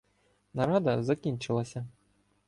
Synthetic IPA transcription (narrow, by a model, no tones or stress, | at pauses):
naɾad̪ɐzakʲint͡ʂɨlˠɐsʲa